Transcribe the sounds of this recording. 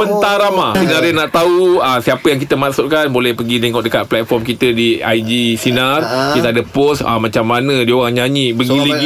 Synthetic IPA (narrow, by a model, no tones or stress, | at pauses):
pənt̪aɾamasinarjənaʔt̪auəsiapəjaŋk̬it̪əmaʔsʊt̪̚kanbolɛhpəɡit̪eŋɔʔ̚dəkat̪̚plat̪̚fɔrmkit̪ədia̰jdisinarkit̪aadəppɔsə̰mãt͡ʃamːanə̃dioɣaŋɲaɲĩbəɡiliɡ